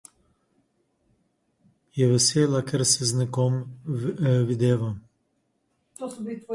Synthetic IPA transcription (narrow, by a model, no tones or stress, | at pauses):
jɛʋɛseːlakɛɾsɛznɛkɔm | ʋid̪eːʋa